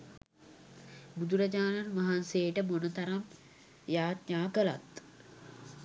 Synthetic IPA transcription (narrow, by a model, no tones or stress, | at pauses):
bud̪uɾɐd͡ʒaːnanʋaɦanseːʈəmonət̪aɾam | jaːt̪ɲaːkəla̰t̪